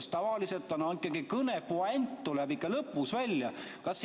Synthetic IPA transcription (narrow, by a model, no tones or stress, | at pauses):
st̪ɑvɑliset̪ːˑonɑikːˑɑɡikɤnepuɑent̪ːulæbikːɑlɤpːˑusvælʲjɑkɑsː